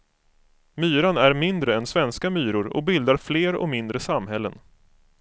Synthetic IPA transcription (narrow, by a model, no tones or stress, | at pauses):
myːɾanæɾmɪnd̪ɾəɛnsvɛnskamyːɾʊɾɔ̰bɪld̪aɾfleːɾɔ̰mɪnd̪ɾəsamɦɛlːə̰n